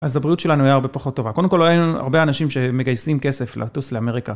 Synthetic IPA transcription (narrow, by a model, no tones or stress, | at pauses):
ʔazabʁiutʃe̞lanuajaːʁbe̞paχo̞t̪ːo̞vakodemkoljiua̰ʁbeanaʃimʃe̞me̞ɡajsimke̞se̞flḛatusleame̞ʁika